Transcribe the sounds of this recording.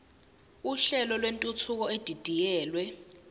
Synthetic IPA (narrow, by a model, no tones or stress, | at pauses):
uɬɛlɔlwentʼutʰuk̬ɔed̥ʱid̥ʱijɛːlwɛ